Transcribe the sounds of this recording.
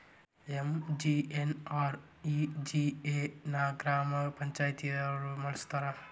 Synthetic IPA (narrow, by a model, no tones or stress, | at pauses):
emd͡ʒienaːɾ | id͡ʒieːnaːɡɾaːmɐpɐɲt͡ʃaːjt̪ijɐɐɾumɐlɐst̪ʰɐɾɐ